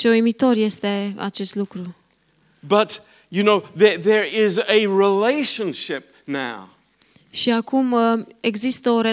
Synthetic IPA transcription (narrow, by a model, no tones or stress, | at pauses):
t͡ʃeoimit̪o̞rje̞st̪e̞a̰t͡ʃe̞st̪lukɾu | bʌt | jɨnoʊðəðə˞ɪzɨɹileɪʃə̃nʃɪp̚naʊ | ʃiakume̞ɡzist̪əo̞ɾe